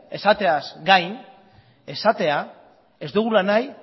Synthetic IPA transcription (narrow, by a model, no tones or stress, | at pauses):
e̞sat̪e̞azɡajn | e̞sat̪e̞a | e̞zd̪uɣ̞ulanaj